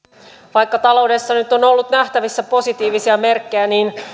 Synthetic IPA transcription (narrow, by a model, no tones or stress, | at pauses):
ʋɑjkːɑt̪ɑlo̞wde̞sːɑnyt̪o̞no̞lːut̪næht̪æʋisːæpo̞sit̪iːʋisiæme̞rkːejæniːn